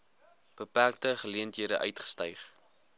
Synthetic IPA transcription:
b̥əpærk̚təχəliəntɦiəɾəʔœ̰ɥtχə̥stœjχ

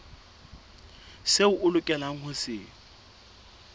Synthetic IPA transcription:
seʊʔʊlʊkʼɛlaŋ̩hʊsɪː

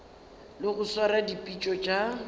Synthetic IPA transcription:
lɪɣʊswaɾadipʼit͡ʃʼɔt͡ʃʼa

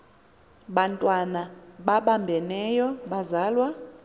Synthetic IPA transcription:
ɓantʼwanaɓaɓambʱɛnɛjɔɓazaːlwa

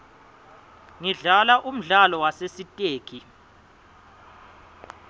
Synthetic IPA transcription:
ŋiɮalaʔum̩ɮalɔwasesitʼeːkʰi

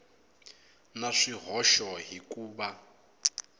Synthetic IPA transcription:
naʂiɦɔʃɔɦikʼuːba

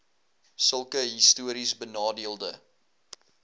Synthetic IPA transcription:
səlˠkəɦistuəɾisbənɑːdiəlˠdə

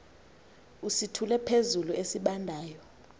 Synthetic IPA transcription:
usitʰulɛpʰezuluesiɓandʱaːjɔ

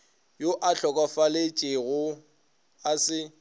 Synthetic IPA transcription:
joʔaɬɔkʼafalet͡ʃʼɪɣʊ | asɪ

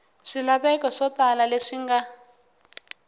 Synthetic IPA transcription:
ʂilaɓɛkɔʂɔtalaleʂiŋɡa

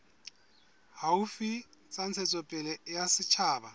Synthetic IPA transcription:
haufit͡sʼant͡sʰɛt͡sʼɔpʼɛlɛjasɪt͡ʃʰaːba

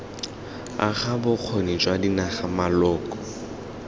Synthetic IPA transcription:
a̰χabʊq͡χʰonit͡ʃʼwadinaχamalɔːkʼɔ̥

